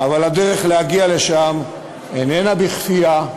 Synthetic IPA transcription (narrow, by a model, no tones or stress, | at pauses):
avalhad̪eʁeχlehaɡiale̞ʃam | enenabiχfija